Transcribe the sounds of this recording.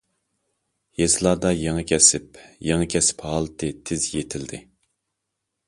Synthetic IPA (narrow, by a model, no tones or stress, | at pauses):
jezlˠɑːd̪ɑjeŋɨkʲʰɛsɪpjeŋɨkʲʰɛsɪ̥phɑːlˠɨt̪ʰɨt̪ʰɪzjet̪ʰɪld̪ɪ